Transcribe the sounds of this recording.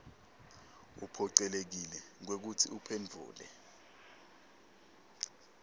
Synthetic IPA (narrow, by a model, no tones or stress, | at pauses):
ṵpʰɔǀɛlek̬ilɛŋ̬wek̬utʰḭupʰend͡vʱṵːlɛ̰